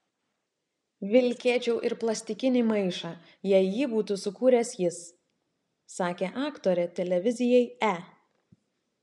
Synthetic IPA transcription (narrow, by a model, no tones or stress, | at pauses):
ʋʲɪlʲkʲeːt͡ʃʲɛʊʔɪɾplˠɐsʲt̪ʲɪkʲɪnʲɪmɐɪʃɑː | jɛɪjiːbuːt̪uːsʊkuːɾʲɛsjɪs | sɑːkʲeːʔɑːkt̪oːɾʲɛt̪ʲɛlʲɛʋʲɪzʲɪjɛɪæː